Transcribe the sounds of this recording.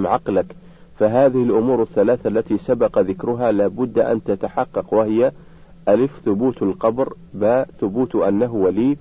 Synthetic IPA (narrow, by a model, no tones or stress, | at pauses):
mʕɑqlak | faɦaːðɪhɪlʔʊmuːɾaθːalaːθalːat̪isabɑqɑðɪkɾʊɦaːlaːbʊd̪ːʔa̰nt̪at̪aħɑqːɑqwahɪja | ʔalɪfθʊbuːt̪alqɑbɾ | baːθʊbuːt̪ʔanːaɦʊwaliː